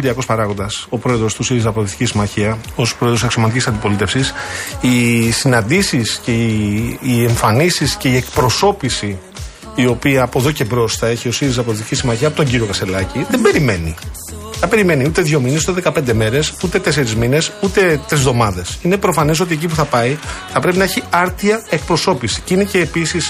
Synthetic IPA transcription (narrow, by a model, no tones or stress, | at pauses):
d̪iɐko̞spɐɾɐɣo̞nd̪ɐso̞pɾo̞e̞ðɾo̞st̪usiɾizɐpoðiθi̥cisimɐçiɐo̞spɾo̞eðɾosekso̞mɐt̪icisɐnd̪ipo̞lit̪e̞fsisisinɐnd̪isisceː | e̞ɱfɐnisisce̞ie̞kpɾo̞so̞pisiː | o̞piɐːpoðo̞ce̞bɾo̞sθɐe̞çio̞siɾizɐp̬oðiθicisimɐçiɐːpo̞t̪o̞ɲɟiɾio̞kɐst̪e̞lɐciðembe̞ɾime̞ni | θɐbe̞ɾime̞niut̪e̞ðʝo̞mines̬ut̪eðekɐpe̞nd̪e̞me̞ɾe̞sut̪e̞t̪e̞seɾizmine̞sut̪e̞t̪ɾizðo̞mɐðesine̞pɾo̞fɐnis̬o̞t̪iec̬ipuθɐpɐiθɐpɾe̞pinɐçiɐɾt̪iɐe̞k̚pɾo̞so̞pisi̥cinece̞ːpisis